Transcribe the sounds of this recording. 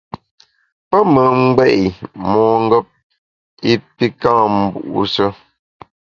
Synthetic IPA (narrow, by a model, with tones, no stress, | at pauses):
pə˦mə˨ŋ͡m̩˦ɡ͡bɛ˦˨ʔi˨mɔ˨ŋ̩˦ɡɔ˦p̚ | i˦pi˦kã˦˨m̩˨bṵ˨ʔṵ˦sə˦